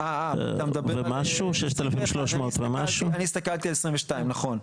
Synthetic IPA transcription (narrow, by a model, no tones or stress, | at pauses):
a̰t̪amed̪abvemaʃuʃeʃt̪elafimʃloʃmoːt̪vemaʃuaniːst̪akalt̪ialesʁĩveʃt̪aimnaχo̞n